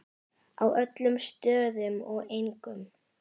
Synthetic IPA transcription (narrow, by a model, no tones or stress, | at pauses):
awʔœt̪lʏmst̪œːðʏmɔɣejŋkʏm